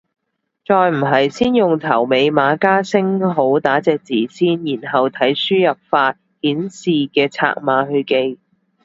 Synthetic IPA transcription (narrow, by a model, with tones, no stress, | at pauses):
t͡sɔː˨˧jm̩˨˩ɦɐ˨jsiː˥njʊ˨ŋt̪ʰɐ˨˩wme˨˧jmaː˨˧kaː˥sɪ˥ŋɦo˨˥wt̪aː˨˥t͡sɛː˨k̚t͡siː˨˩siː˥njiː˨˩nɦɐ˨wt̪ʰɐ˨˥jsyː˥jɐ˨p̚faː˧t̚ | hiː˨˥nsiː˨kɛː˧t͡sʰa̰ː˧k̚maː˨˧ɦɵ˧ɥke˧j